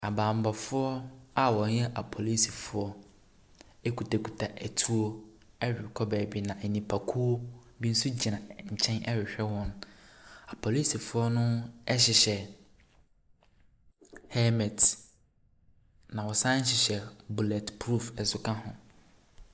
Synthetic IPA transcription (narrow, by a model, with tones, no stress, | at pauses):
a˨bãː˨m̩˨ba˨fʊ˦ɔ˦a˨wɔ̃˨ɲ˦jɛ˦ʔa˨pʰɔ˨li˦si˨fʊ˨ɔ˦ | e˦kʰu˨tʰa˨kʰu˨tʰa˨ʔɛ˨tʰu˦o˦ | ɛ˦ɥᶣɪ˨kʰɔ˦bɛː˨bi˨nã˨ɛ˨nĩ˨pʰa˨kʰu˦o˦ | bi˦n̩˦su˦d͡ʑi˨nã˨ɲ̩˨t͡ɕʰɛ̃˦nʔɛ˦ɥᶣɪ˨ɕᶣɛ˦wɔ̃˦n | a˨pʰɔ˨li˦si˨fʊ˦ɔ˦nʊ̃˦ɛ˦ɕɪ˨ɕɛ˨ | hɛ˦mɛ˨t | nã˨wɔ˨sã˦ɲ̩˦ɕɪ˨ɕɛ˨bu˨lɛ˨tpʰɾu˦fɛ˨sʊ˦kʰã˦hʊ̃˨